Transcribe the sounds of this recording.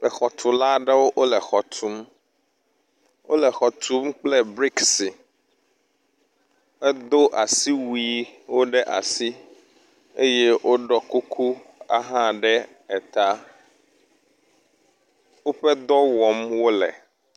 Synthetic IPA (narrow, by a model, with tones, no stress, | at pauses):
ɛ˨xɔ˨t̪ʰu˨la˦ɖɛ˦wo˦ʔo˦lɛ˨xɔ˨t̪ʰu˦m | wo̰˦lɛ˨xɔ˨t̪u˦mk͡plɛ˦bɾi˦ksi˨ | ɛ˦d̪o˦ʔa˨si˦wi˨˦wo˦ɖɛ˦ʔa̰˨si˦ | e˦je˦wʔo˦ɖɔ˦ku˦kʰu˦a˦ɦã˦ɖɛ˦ | ɛ˨t̪a˦ | wo˦ɸɛ˦d̪ɔ˦wɔ˨mwo˦lɛ̰˨